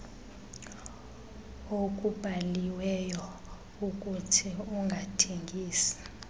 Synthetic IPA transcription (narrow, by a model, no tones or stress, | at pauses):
okʼub̥ʱaliwɛjɔ | ukʼutʰiuŋɡʱatʰeŋɡʱiːsḁ